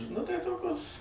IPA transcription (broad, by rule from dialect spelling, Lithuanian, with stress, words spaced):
nʊ ˈtɐɪ ˈtoːkʲoːs